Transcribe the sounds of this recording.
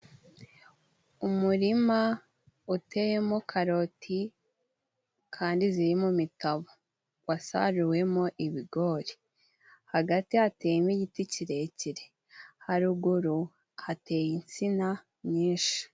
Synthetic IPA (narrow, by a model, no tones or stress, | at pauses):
umuɾima | ute̞je̞mo̞kʰaɾo̞tʰi | kʰaːndiziɾimomitaβo | wasa̰ɾuwe̞mo̞ʔiβiɡo̞ɾi | haɡatiateːjimiɟiticiɾe̞ciɾe̞ | haɾuɡuɾu | hate̞ːjint͡sina | ɲiːnʃi̥